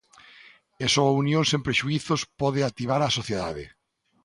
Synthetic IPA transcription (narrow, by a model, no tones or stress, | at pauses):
esoaunjõŋsẽmpɾeʃuiθospɔðeat̪iβ̞aɾasoθjeðaðɪ̰